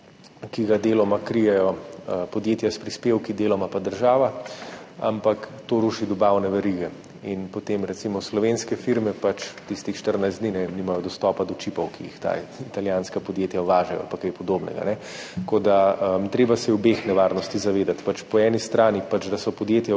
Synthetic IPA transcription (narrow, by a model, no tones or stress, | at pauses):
kiɡad̪eːlɔmakɾijɛjɔəpɔd̪jeːt̪jaspɾispeːwkid̪eːlɔmapad̪əɾʒaːʋa | a̰mpakt̪oɾuʃid̪ɔbaːwnɛʋɛɾiɡɛ | inpot̪emɾɛt̪simɔslɔʋenskɛfiɾmɛpat͡ʃt̪ist̪ixʃt̪əɾnajzd̪ninɛniːmajɔd̪ɔst̪ɔːpad̪ɔt͡ʃipɔwkijḭxt̪a̰it̪aljaːnskapɔd̪jeːt̪jaʋaːʒɛjɔ̰a̰lpakajpɔd̪oːbnɛ̰ɡa̰nɛ | kod̪aət̪ɾeːbasɛjɛwbexnɛʋaːɾnɔst̪izaʋeːd̪at̪pat͡ʃpɔɛːnist̪ɾaːnipat͡ʃd̪asɔpɔd̪jeːt̪ja